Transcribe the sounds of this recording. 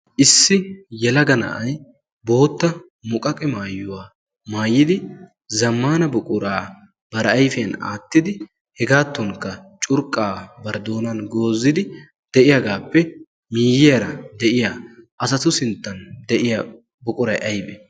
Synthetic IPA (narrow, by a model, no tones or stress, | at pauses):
ʔɪsːɪjɛlɐɡɐnɐ̰ʔɐj | bo̞ːt̪ːɐ | mʊkʼɐkʼɛmaːjːʊwaː | maːjːɪd̪ɪ | zɐmːaːnɐbʊkʼʊɾaː | b̥ɐɾɐɐjfɛna̰ːt̪ːɪd̪ɪ | hɛɡaːt̪ːɔŋkːɐt͡ʃʼʊɾkʼaːbɐɾd̪o̞ːnɐnɡo̞ːzːɪd̪ɪ | d̪̥ɛʔɪjɐɡaːpːɛ | miːjɪjɐɾɐd̪ɛʔɪjaːʔɐsɐt̪ʊsɪnt̪ːɐnd̪ɛʔɪjɐ | bʊkʼʊɾɐjʔɐjbɛ